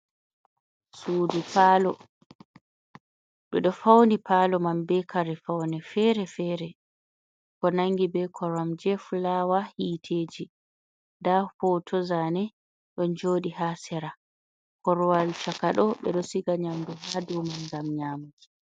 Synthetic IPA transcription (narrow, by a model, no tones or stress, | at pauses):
suːdipalɔ | ɗɔɗɔfawnipʰaːlɔmambɛkʰaɾɛfawnɛfɛɾɛfɛɾɛ | kɔnaŋɡibɛkʰɔɾamd͡ʒɛfulawahiːtʰeːd͡ʒi | dahɔtʰɔzanɛ | ɗɔnd͡ʒoːɗihasɛɾa | kɔɾwalt͡ʃakaɗɔɓɛ̰ɗɔsiɡaɲamduhadumanɡamɲaːmuɡi